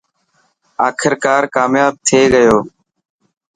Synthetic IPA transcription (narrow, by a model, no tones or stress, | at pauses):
aːkʰɪɾkaːɾkaːmjaːb̚t̪ʰeːɡəjoː